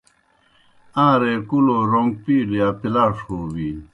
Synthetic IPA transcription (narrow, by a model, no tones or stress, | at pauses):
ãːɾekuloɾoŋɡ̚piːlijapilaːʂhoːwi